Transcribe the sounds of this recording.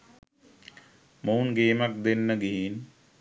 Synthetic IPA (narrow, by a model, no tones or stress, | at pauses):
mounɡeːmak̚d̪enːəɡiɦin